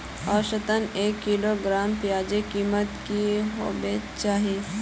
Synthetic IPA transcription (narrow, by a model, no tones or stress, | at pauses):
ɔːɾʃət̪əneːkːiːloɡɾaːmpjaːd͡ʒekiːmət̪kiɦo̰ːbet͡ʃaːɦi